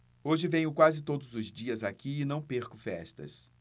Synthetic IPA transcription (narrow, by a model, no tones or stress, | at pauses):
oʒɪvẽɲʊkwazɪt̪od̪ʊzʊzd͡ʒiɐzakiɪnɐ̃w̃peɾkʊfɛst̪ɐ̰s